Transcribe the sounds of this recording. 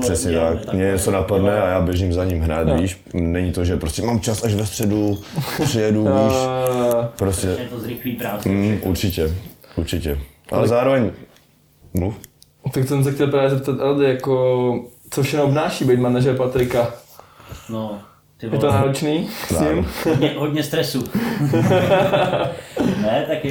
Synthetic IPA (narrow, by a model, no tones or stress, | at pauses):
rr̥ɛsɲɛt̪akmɲɛɲɛsɛnapadnɛajaːbjɛʒimzaɲimɦɾaːt̪viːʃ | nɛɲit̪oʒɛpɾoscʲɛmaːmt͡ʃasaʒvɛst̪r̥ɛduprɪjɛduviːʃ | pɾoscɛɾɪliɾaʔuɾt͡ʃɪcɛuɾt͡ʃɪcɛ | ʔalɛzaːɾovɛɲ | mluf | t̪aktsɛms̬ɛxtcɛlˠpɾaːvjɛzɛp̚t̪at̪ʔald̪ɪjako | t͡sofʃɛxnoobnaːʃiːbɛjtmanaʒɛɾpat̪ɾɪka | no | t̪ɪjɛt̪onaːɾot͡ʃniːɪmɲɛɦodɲɛst̪ɾɛsu | nɛt̪ak